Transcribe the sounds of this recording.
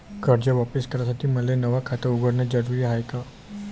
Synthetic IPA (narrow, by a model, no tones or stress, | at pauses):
kəɾd͡ʒəʋɔpiskəɾasət̪ʰiməlenəʋakʰat̪auɡəɽned͡ʒəɾuɾiɦajka